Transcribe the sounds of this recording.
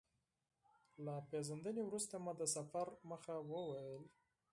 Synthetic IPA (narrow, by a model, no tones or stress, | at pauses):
lapezənd̪ənewɾust̪amad̪əsafaɾməxawəwajəl